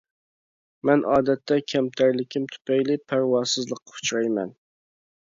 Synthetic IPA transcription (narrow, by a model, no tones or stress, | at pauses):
mɛnʔɑːd̪ɛt̪ʰːɛkʲʰɛmt̪ʰæɾlɪkʲʰimt̪ʰy̥pɛjlɪpʰæɾwɑːsɨzlˠəqːɑ̥u̥t͡ʃʰɾɑjmɛ̰n